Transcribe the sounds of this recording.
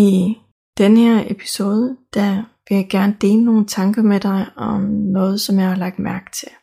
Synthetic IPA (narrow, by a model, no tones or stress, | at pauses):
i | d̥enəheɐepʰi̥so̝ːð̞ˠəd̥æʋe̝jɑ̈ɪɡ̥æɐnəd̥e̝̰ːləno̝ːn̩t͡sʰɑ̈ŋɡ̥ɐmed̥ɑ̈ɪɒ̽mnɔ̽ːð̞̩ˠsɒ̽mjähɑlɑ̈ɡ̥̚d̥mæɐɡ̥t͡sʰe̝l